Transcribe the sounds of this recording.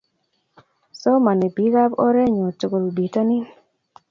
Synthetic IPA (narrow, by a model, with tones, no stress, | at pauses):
sɔ˦ma˨nɛ˨bi˨˦ɡa˦bɔ˦ɾɛ˦ɲo˨tu˨ko˨lbi˨to˦nɪ˦